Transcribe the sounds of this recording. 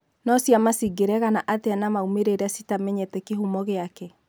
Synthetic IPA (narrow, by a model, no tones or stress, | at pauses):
nɔsjamasiɡeɾɛɣanaʔateanamaumeɾeɾasitamɛɲɛtɛkeɦumɔɣeakɛ